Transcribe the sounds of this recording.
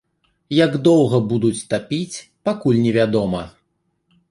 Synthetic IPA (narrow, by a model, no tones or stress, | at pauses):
jaɡd̪ɔwɣɐbud̪ut͡sʲt̪apʲit͡sʲpakulʲnʲɛvʲad̪ɔmɐ